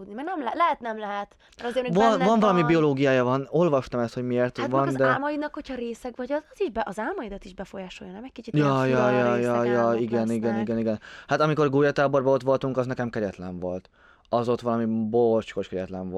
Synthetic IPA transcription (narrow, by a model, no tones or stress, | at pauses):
d̪nimɛɾnɛmlɛlɛɦɛt̪nɛmlɛɦɛt̪ | mɛɾɒzeːɾmɛvɒnvɒnvɒlɒmibio̞loːɡijaːjɒvɒno̞lvɒʃt̪ɒmɛst̪ho̞ɟmieːrt̪ːvɒnd̪ɛlmɒjid̪nɒkho̞cʰhɒɾeːsɛkvɒɟɒzɒziʒbɛʔɒzaːlmɒjid̪ɒt̪iʒbɛfojaːʃo̞̰jɒnɛmɛc̚kit͡ʃit̪jɒjɒjɒjɒjɒiɡɛniɡɛniɡɛniɡɛnhat̪ɒmiko̞rɡoːjɒt̪aːbo̞rbɒolt̪ʋo̞lt̪uŋkɒznɛkɛmkɛɾɛt̪lɛɱvo̞lt̪ | ɒzo̞t̪ʋɒlɒmibolt͡ʃko̞ʃkɛɟɛt̪lɛɱv